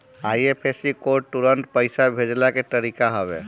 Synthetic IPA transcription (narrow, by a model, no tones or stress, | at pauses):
aːiepʰesikoɾʈʈːuɾəɳʈpəɪsabʱed͡ʒlaket̪əɾikaɦəbḛ